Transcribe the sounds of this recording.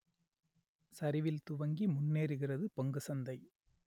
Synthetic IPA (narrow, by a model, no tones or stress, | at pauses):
sɐɾɪʋɪlt̪ʊʋɐŋɡimʊnːeːɾɯɣɪrɐðɯpɐŋɡɯsɐnd̪ɐɪ